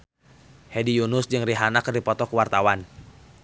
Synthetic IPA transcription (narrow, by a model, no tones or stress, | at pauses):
hɛdijunʊsd͡ʒɨŋriɦanakərdipɔt̪ɔkuwart̪awan